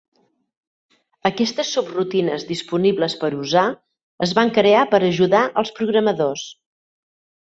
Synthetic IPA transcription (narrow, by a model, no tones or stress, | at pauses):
əkɛst̪əsːubrut̪inəzðispunibləspəɾuza | əzβaŋkɾeapəɾəʒuðaʔəlˠspɾuɣɾəməðos